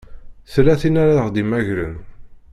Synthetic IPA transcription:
θlæθinaɾaðəʁd̪imæʝɾən

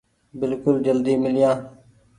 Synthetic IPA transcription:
bɪlkʊld͡ʒəld̪iːmɪlɪjãː

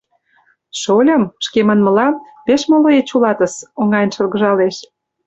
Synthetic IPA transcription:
ʃolʲə̆mʃkemənmə̆lɑmpeʃmoloet͡ɕulɑt̪əsoŋɑjənʃɤ̆lɣə̆ʒɑleʃ

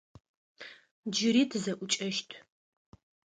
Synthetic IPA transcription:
d͡ʒɪɾiːtʰzɐʔʷʊt͡ʃʼɐʃtʰ

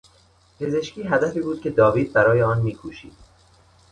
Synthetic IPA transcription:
pʰe̞ze̞ʃciːɦæd̪æfiːbuːd̪̥̚cʲʰe̞d̪ɒːviːd̪̚bæɾɒːjeɒːnmiːkʰuːʃḭːd̪̥

